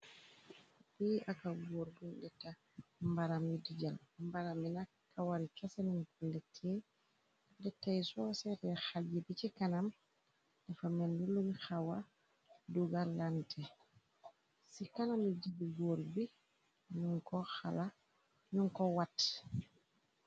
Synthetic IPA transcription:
piʔakaɡoɾɡundɛtːa | mbaɾamidiɟalmbaɾamina | kawaɾikasanunkɔlɛtʰːɛ | dɛtːajsɔsɛtɛxaɟibit͡ʃikanam | d̥afamɛndulumixawa | duɡalantʰɛ | sikanamid͡ʒibiɡoɾbi | ɲuŋkɔxa̰la | ɲuŋkɔwat

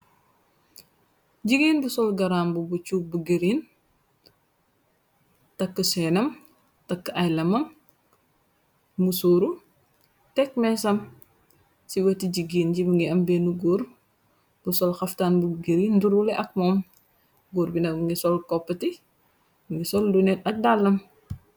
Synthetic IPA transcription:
ɟiɡiːnbusɔlɡɐɾaːmbubut͡ʃubuɡeɾiːn | tɐkːəsɛːnɐm | tɐkːəʔɐjlɐmɐm | musoːɾu | tɛk̚mɛsɐm | siwɐtiɟiɡinɟibuŋɡiɐmbɛnuɡuːɾ | b̥usɔlxɐftaːnbuɡiɾinduɾulɛʔɐk̚mɔːm | ɡuːɾbinɐmŋɡisɔlkɔpːɐti | buŋɡisɔldunɛt̚ɐk̚dalːɐm

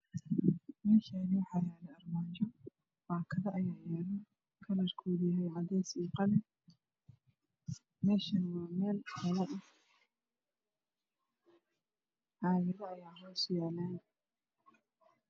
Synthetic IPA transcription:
mɛːʃaːnɪwɑħɑːjaːlɛɐrmaːnt͡ʃɔ | wɑːkʰɐðɐʔɐjaːjɛːlɐ | kʰɐlɐrkʰɔːðjɦɛjʕɑdɛːsiːqɑlɛ | mɛːʃɐnwɑːmɛːlkʰɐlɐʔɐ | ʕɑːjɐðɐɐjaːɦɔːsjaːlaːn

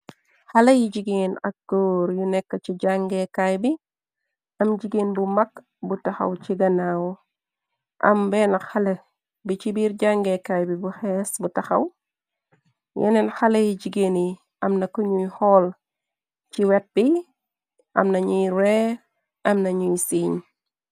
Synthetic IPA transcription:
xɐlɐjiɟiɡeːnɐk̚ɡ̥oːɾjunɛkːɐciɟaŋɡɛkajbi | ɐmd͡ʒiɡeːnbumɐk | butɐxɐ̰wt͡ʃiɡɐnaw | ʔɐ̰mbɛnɐxɐlɐ | bit͡ʃibiːɾɟaŋɡɛkajbibuxɛsbutɐxɐ̰w | jɛ̰nɛnxɐlɐjid͡ʒiɡeːni | ɐmnɐkɔɲujhɔːl | t͡ʃiwɛt̚bi | ʔɐ̰mnɐɲujɾɛ | ɐmnɐɲujsiːɲ

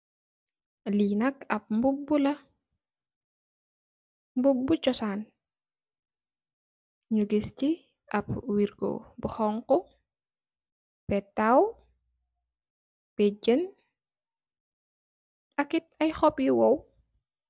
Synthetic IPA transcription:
liːnɐkɐp̚mbubːulɐ | mbubːut͡ʃɔsaːn | ɲuɡisci | ʔɐpwiɾɡo̰bəxɔŋkɔ | pɛtaw | pɛɟən | ɐkit̚ɐjxɔpjiwɔw

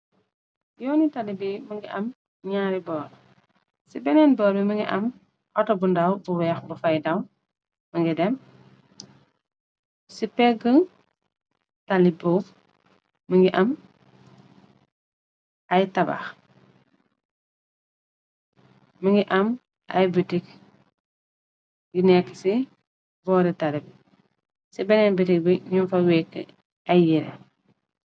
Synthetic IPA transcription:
jɔːnitalibiməŋɡiʔɐm | ɲaːɾibɔːɾ | sibɛnɛnbɔːɾbiməŋɡiʔɐm | hɔtɐbundawbuwɛxbufajdɐw | məŋɡidɛm | sipɛɡəŋ | talibuːf | məŋɡiʔɐm | ɐjtaba̰x | məŋɡiʔɐm | ʔɐ̰jbitik | ɡinɛkːə̥si | bɔːɾitalib̚ | sibɛnɛnbitik̚biɲunfɐwɛkːə̰ | ɐjjiɾɛ̰

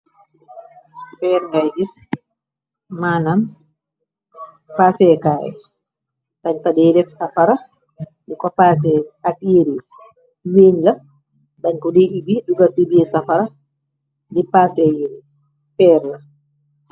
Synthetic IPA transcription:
fɛɾŋɡajd͡ʒis | manam | pasɛkaːʔɛ̰ | taɲtadɛdɛfsafaɾa | ɗɛkɔpasɛakjeɾi | weɲla | baɲkɔdiibiɗuɡasibiɛsafaɾa | dipasɛjeɾi | fɛːɾla

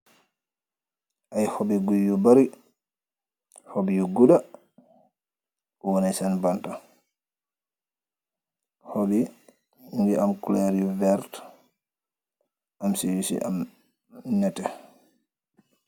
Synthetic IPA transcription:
ʔajhobiɡujːubaɾi | hobijuɡuɗa | ɔwonisɛnbanta | hobi | indiʔamkulɛɾjuvɛɾt | ʔamsiwisḭʔa̰m | nɛtɛ

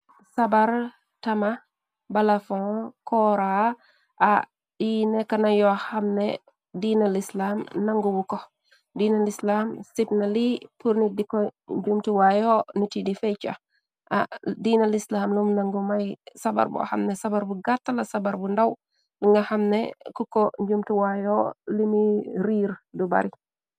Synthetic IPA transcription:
sabaɾ | tɐma | balafɔ̃kɔɾa | ʔa | dinekanajɔxamne | dinalislaːmnaŋɡuwukɔ | diːnalislamsip̚nalipuɾnidikɔɲd͡ʒumtuwajonitidifet͡ʃa̰ | ʔa̰diːnalislaːmlumnaŋɡumajsaba̰ɾbṵa̰xa̰mnɛsabaɾbuɡatːalɐsɐbaɾbundaw | liŋɡahamnekukɔɲɟumtuwajolimiɾiːɾduba̰ɾi

